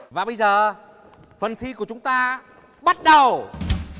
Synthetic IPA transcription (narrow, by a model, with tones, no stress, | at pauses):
vaː˨˩ɓə˧jzəː˨˩ | fə˨˩nt̪ʰi˧ku˧˩ət͡ɕʊ˨˦ŋ͡mt̪aː˧ | ɓa˦˥t̚ɗə˨˩w